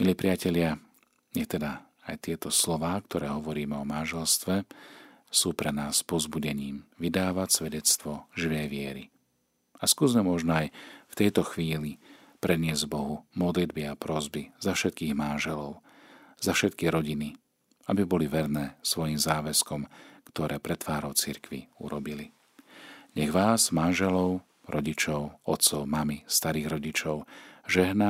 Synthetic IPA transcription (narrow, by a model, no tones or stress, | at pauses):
miliːpɾɪacɛʎɪa | ɲɛxt̪ɛd̪a | ajt̪ɪɛt̪ɔslɔʋaːk̚t̪ɔɾɛːɦɔʋɔɾiːmɛɔmanʒɛlst̪ʋɛ | suːpɾɛnaːspɔzbuɟɛɲiːmʋid̪aːʋacsʋɛɟɛt͡st̪ʋɔʒiʋɛjʋɪɛɾḭ | askuzmɛmɔʒnɔajft̪ɛjt̪ɔxʋiːli | pɾʔɛd̪ɲɪɛzɟbɔɦumɔd̪lid̪biapɾɔzbizafʃɛt̪̚kiːɣmanʒɛlɔʊzafʃɛt̪̚kiɾɔɟini | abibɔliʋɛɾnɛːsʋɔjimzaːʋɛskɔmkt̪ɔɾɛːpɾɛt̪ʋaːɾɔʊt͡siɾkʋḭṵɾɔbili | ɲɛɣʋaːzmanʒɛlɔʊ | ɾɔɟit͡ʃɔʊɔt̪sɔʊmamist̪aɾiːɣɾɔɟit͡ʃɔʊʒɛɦna